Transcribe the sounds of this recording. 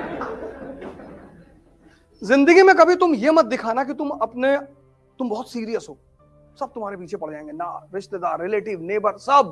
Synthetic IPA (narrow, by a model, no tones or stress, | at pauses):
zɪ̃nd̪əɡimẽkɐbʱit̪ʊmjemɐt̪̚d̪ɪkʰaːnak̬it̪ʊmɐpne | t̪ʊmbɔɦʊt̪siːɾijəsɦoː | sɐb̚t̪ʊmɦaːɾepiːt͡ʃʰepɐɽ̤d͡ʒaːẽːŋɡenaɾɪʃt̪ed̪aːɾːɪleːʈɪʋneːbəɾsɐb̚